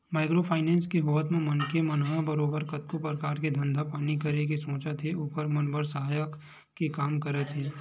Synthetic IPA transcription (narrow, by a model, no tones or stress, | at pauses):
maːɪkɾopʰaːɪnɛ̃ːnskiɦoːʋət̪mẽmɐnkemɐnɦãbɐɾoːbəɾkɐt̪̚kopɾəkaːɾked̪ʱɐ̃nd̪ʱapaːnikɐɾek̬isõːt͡ʃət̪ʰeʊpəɾmɐnbəɾsəɦaːjəkː | ekaːmkɐɾət̪ʰɦeː